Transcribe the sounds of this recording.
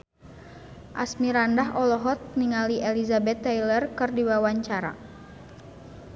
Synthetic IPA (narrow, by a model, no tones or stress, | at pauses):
ʔasmiɾandaɦɔlɔɦɔt̪̚niŋaliʔɛlizabɛt̪ːɛjlərkɨrdiwawaɲt͡ʃaɾa̰